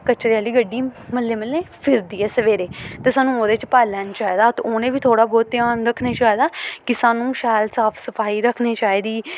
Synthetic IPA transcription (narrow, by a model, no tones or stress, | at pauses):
kət͡ʃɾeaːliːɡəɖːiːməlːeːməlːeːpʰɪɾd̪iːɛːsəʋeːɾeːt̪eːsaːnːũːoːd̪eːt͡ʃpaːlɛːnt͡ʃaːiːd̪aːt̪oːnẽːbiːt̪ʰoːɽaːbɔːt̪̚ːɪjaːnɾəkʰneːt͡ʃaːiːd̪aːkɪsaːnũːʃɛːlsaːpʰsəpʰaːiːɾəkʰneːt͡ʃaːiːd̪iː